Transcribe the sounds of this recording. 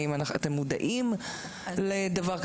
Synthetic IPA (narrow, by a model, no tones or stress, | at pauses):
imanaχa̰t̪e̞mːud̪a̰ʔim | led̪avaʁk